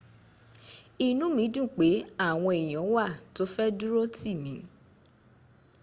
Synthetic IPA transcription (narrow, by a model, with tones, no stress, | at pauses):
i˨nũ˨˦mĩ˨˦dũ˦˨k͡pe˨˦a˦˨w̃ɔ̃˧e˨j̃ɔ̃˨˦wa˦˨to˦fɛ˦du˦ɾo˦ti˦˨mĩ˨˦